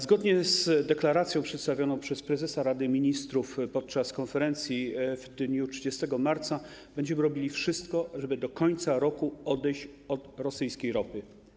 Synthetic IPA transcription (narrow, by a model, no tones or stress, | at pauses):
zɡɔd̪ɲɛzd̪ɛklaɾat̪sʲjɔ̃w̃pʂɛt̪st̪avʲjɔnɔ̃w̃pʂɛspɾɛzɛsaɾad̪ɘmʲiɲist̪ɾufpɔt̪̚t͡ʂaskɔnfɛɾɛnt̪sʲjivd̪ɲutʂɘd͡ʑɛst̪ɛɡɔmaɾt̪sabɛɲd͡ʑɛmɘɾɔbʲilʲifʂɘst̪kɔʐɛbɘd̪ɔkɔɲt̪saɾɔkuɔd̪ɛjɕt͡ɕɔt̪ɾɔsɘjskʲejɾɔpɘ